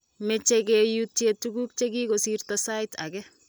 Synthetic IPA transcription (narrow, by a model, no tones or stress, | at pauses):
met͡ʃekɛjutjetuɡuk̚t͡ʃekikosirtasajta̰kɛ